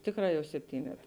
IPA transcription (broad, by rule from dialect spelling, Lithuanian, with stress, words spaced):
ˈtʲeːkˌrɑː jɛʊ sʲɛpʲˈtʲiːnʲɛt